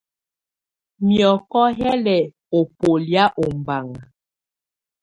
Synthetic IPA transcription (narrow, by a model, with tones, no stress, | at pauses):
mjɔ˨kɔ˦ɦɛ˦lɛ˨ | o˨po˨lja˦ʔo˨m˨ba˨ŋa˨